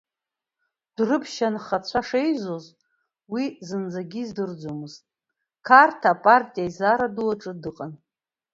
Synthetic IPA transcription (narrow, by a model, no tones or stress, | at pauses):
d̥rɨpʰʃanχat͡ɕʷʰaʂejzoz | wizɨnd͡zaɡʲizdɨrd͡zʷomɨz̥tʼ | kʰartʰapʼartʼijaizaɾaduwaʈ͡ʂʼɨdɨqʼan